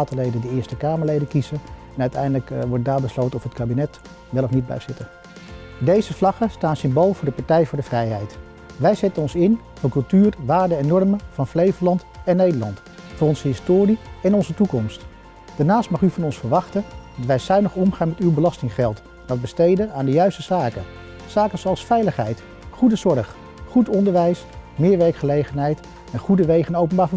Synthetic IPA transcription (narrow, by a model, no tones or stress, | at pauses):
təlejdəndiɪːɹstəkaːməɹlejdənkizəɛnœɥtɛjndələkʋɔɹd̚daːɹbəslowtənɔfətkaːbinɛt | ʋɛlɔfnid̚bɛ̰jz̥ɪtə | dejzəflɑχəstaːnsɪmbolˠvʊːɹdəpɑɹtɛjvʊːɹdəvrɛjɦɛjt | ʋɛjzɛtənɔnsɪn | v̥ʊːɹkɵlˠtyːrʋaːɹdəɛnːɔɹməvɑnflejvəlɑntɛnːejdəɹlɑnt | fʊːrɔnzəɦɪstoːriɛnɔnzətukɔmst | d̥aːɹnaːstmɑχyvɑnɔnsfəɹʋɑχtədɑtʋɛjsɛɥnəχɔmχaːnmɛtywbəlɑstɪŋχɛlˠt | dɑt̚bəstejdənaːndəjœɥstəzaːkən | z̥aːkənzoɑlˠsfɛjləχɦɛjt | χudəzɔɹχ | χutɔndəɹʋɛjsmɪːɹʋɛɹkχəlejχənɦɛjt | ɛnχudəʋejχənowpənbaːɹvə